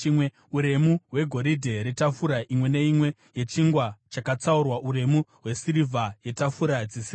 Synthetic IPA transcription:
imwe | uɾe̞muɦwe̞ɡʱo̞ɾidʱe̞ɾetafuɾaʔimwe̞ne̞imwe̞ | je̞t͡ʃiŋɡwat͡ʃakat͡saurwaʔuɾe̞muɦwe̞siɾivʱaje̞tafuɾad͡zisi

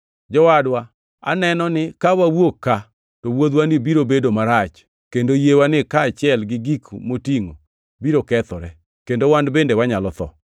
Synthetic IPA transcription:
d͡ʒɔwadwa | a̰nɛnɔnɪkawawokːa | towod̪wanibiɾobedomaɾat͡ʃ | kendojewanɪkaːt͡ʃjɛlɡɪɡikmotiŋo | biɾokɛt̪ɔɾɛ | kendowandbendewaɲalɔt̪ɔ̰

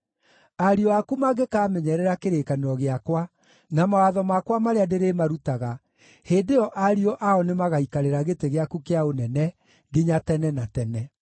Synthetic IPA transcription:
aɾiɔakumaɡekaːmɛɲɛɾɛɾakeɾeːkaneɾɔɣeakwa | namawaðɔmakwamaɾeadeɾemaɾutaɣa | heːdeɔʔaɾiɔʔaɔnemaɣaikaɾeɾaɣeteɣeakukeaonɛnɛ | ɡeɲatɛnɛnatɛnɛ

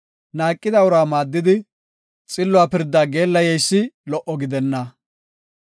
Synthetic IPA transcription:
naːkʼːɪd̪ɐʊɾaːmaːd̪ːɪd̪ɪ | t͡sʼɪlːʊwaːpɪɾd̪ːaːɡe̞ːlːɐjɛjsːɪlɔʔɔɡɪd̪ɛnːɐ

